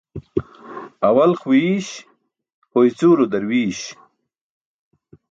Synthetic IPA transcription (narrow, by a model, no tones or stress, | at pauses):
ɐwɐlχwiɕ | hojt͡suːɾod̪ɐɾwiːɕ